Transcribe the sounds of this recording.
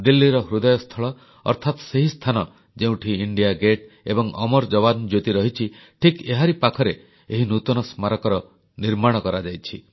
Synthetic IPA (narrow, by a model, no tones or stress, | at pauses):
d̪ilːiɾɔɦɾud̪ɔjɔst̪ʰɔɭɔ | ɔ̰ɾt̪ʰat̪seɦist̪ʰanɔ | d͡ʒeũʈʰiiɳɖijaɡeʈ | ebɔŋʔɔ̰mɔɾd͡ʒɔβand͡ʒot̪iɾɔɦit͡ʃʰiʈʰikeɦaɾipakʰɔɾe | eɦinut̪ɔnɔsmaɾɔkɔɾɔ | niɾmaɽ̃ɔkɔɾad͡ʒajt͡ʃʰi